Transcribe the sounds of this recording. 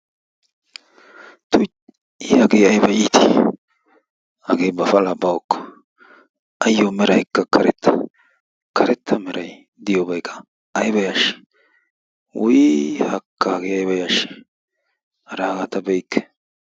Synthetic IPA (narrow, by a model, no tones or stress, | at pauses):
t̪ʊ | ihɐɡeːɐjbɐjiːt̪ʰɪ | hɐɡeːbɐfɐlɐbɐwɔkːɔ̥ | ɐjːomɛɾɐjkːɐkʰɐɾɛ̰t̪ʰːɐ̥ | kʰɐɾɛt̪ʰːɐmɛɾɐj | d̪ɪjɔbɐjkʰːɐ̥ː | jbɐjaʃɪ̥ | wʊjhɐkːaːɡeːɐjbɐjaʃɪ̥ | hɐɾaːɡat̪ɐbɛjkʰːɛ̥